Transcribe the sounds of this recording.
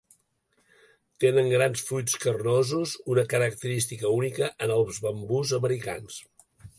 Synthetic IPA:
t̪enəŋɡɾansfɾujskərnozuzunəkəɾək̚t̪əɾist̪ikəunikəʔənəlˠzβəmbuzəməɾika̰ns

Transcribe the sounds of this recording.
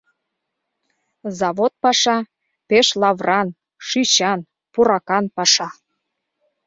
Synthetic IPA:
zɑβot̪̚pɑʃɑ | peʃlɑβrʔɑn | ʃyɕɑn | puɾɑkɑnpɑʃɑ

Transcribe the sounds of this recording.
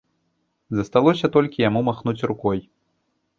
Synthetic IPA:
zɐst̪alˠɔsʲɐt̪ɔlʲkʲijamumaxnut͡sʲrukɔj

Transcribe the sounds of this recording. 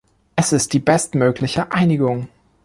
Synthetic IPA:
ʔɛsɪst̚d̥iːbɛstmøːklɪçəʔaɪnɪɡʊŋ

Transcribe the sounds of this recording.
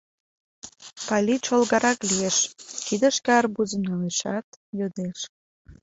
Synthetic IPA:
pɑlʲiʃolɣɑɾɑklieʃkid̪əʃkɑrbuzəmnɑleʃɑt̪jod̪eʃ

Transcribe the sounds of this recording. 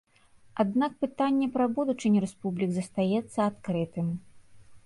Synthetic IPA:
ad̪nak̚pɨt̪anʲːɛpɾɐbud̪ut͡ʂɨnʲiɾɛspublʲiɡzɐst̪ajɛt̪sːɐat̪kɾɨt̪ɨm

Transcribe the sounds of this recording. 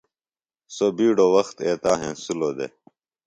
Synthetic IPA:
sobiːɖoːwɐxt̪eːt̪aːɦḛ̃ːsuloːd̪ḛ

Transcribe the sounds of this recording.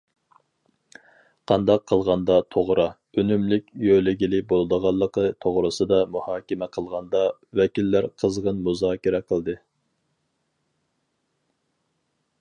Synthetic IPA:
qʰɑnd̪ɑqʰːəlˠʁɑnd̪ɑt̪ʰoʁɾɑ | ønymlɪkʲjølɪɡʲilɪbolˠd̪əʁɑlˠːəqət̪ʰoʁɾɨsɨd̪ɑmuhɑːkʲɪmɛqʰəlˠʁɑnd̪ɑwɛkʲilːæɾqʰəzʁənmuzɑːkʲiɾɛqʰəlˠd̪ɨ

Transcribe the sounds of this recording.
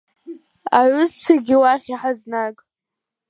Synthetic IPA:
aʕʷʊzt͡ʃʷʰaɡʲɪwaχʲiħaznakʼ

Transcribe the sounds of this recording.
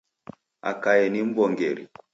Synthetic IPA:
a̰kajɛnim̩bɔŋɡɛɾi

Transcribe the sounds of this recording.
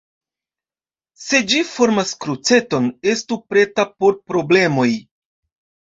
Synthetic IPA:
se̞d͡ʒifo̞ɾmaskɾut͡se̞to̞ne̞stupɾe̞tapo̞ɾpɾo̞ble̞mo̞j

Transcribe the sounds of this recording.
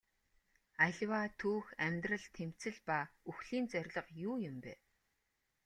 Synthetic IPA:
aɮʲwaːt̪ʰuːxæmʲt̪rə̆ɮt̪ʰem̥t͡sɘ̆ɮpauxɮ̥iːnt͡sœrʲɮə̆qjuːjʊmpæ̰ː

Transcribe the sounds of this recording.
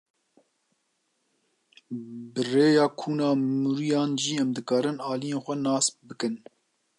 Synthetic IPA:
bɨreːjɑːkʰuːnɑːmuɾijɑːnʒiːɛmd̪ɨkɑːɾɨnɑːlijeːnxʷɛnɑːsbɨkɨn

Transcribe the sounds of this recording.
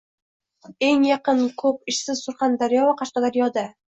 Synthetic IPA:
e̞ŋjɑqɨnkʰɵp̚ɪʃsɪz̥sʊɾχand̪aɾjɒvaqʰɑʃqɑd̪aɾjɒd̪a

